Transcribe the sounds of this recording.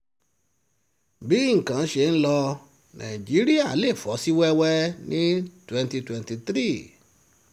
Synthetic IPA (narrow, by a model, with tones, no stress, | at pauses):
bi˨˦ŋ̩˨kã˨˦ʃe˧˨n̩˦lɔ˧ | nʔã̰˨i˨d͡ʒi˨˦ɾi˦a˦˨˦le˦˨fɔ˨˦si˦wɛ˦wɛ˦nĩ˦twɛ̃˧nti˧twɛ̃˧nti˧t̪ɾi˦˨